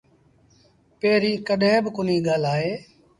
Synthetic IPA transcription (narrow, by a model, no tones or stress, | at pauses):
peːɾĩːkəɗɦẽːbkʊnĩːɠaːlaːɦeː